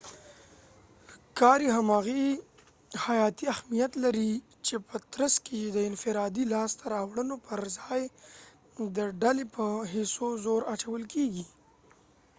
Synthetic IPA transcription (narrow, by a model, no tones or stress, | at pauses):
kɑɾiɦamɑɣi | hajɑt̪iahmijat̪laɾi | t͡ʃepət̪ɾəskejed̪əɪnfɪɾɑd̪ilɑst̪aɾɑwɽənopəɾzɑj | d̪əɖalepəɦɪsozoɾat͡ʃawəlkeɡi